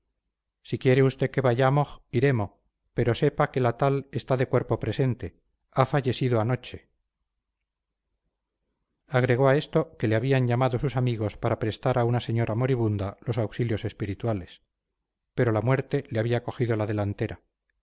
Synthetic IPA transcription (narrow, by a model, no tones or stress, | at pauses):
sikje̞ɾe̞ust̪e̞ke̞βaʝamo̞siɾe̞mo̞ | pe̞ɾo̞se̞pake̞lat̪ale̞st̪aðe̞kwe̞ɾpo̞pɾe̞se̞nt̪e̞ | afaʝe̞siðoano̞t͡ʃe̞̥ | aɣ̞ɾe̞ɣ̞o̞ae̞st̪o̞ke̞leaβiaɲʎamaðo̞susamiɣo̞spaɾapɾe̞st̪aɾaunase̞ɲo̞ɾʔamo̞ɾiβ̞und̪alo̞sawksiljo̞se̞spiɾit̪wale̞s | pe̞ɾo̞lamwe̞ɾt̪e̞leaβiako̞xiðolaðe̞lant̪e̞ɾa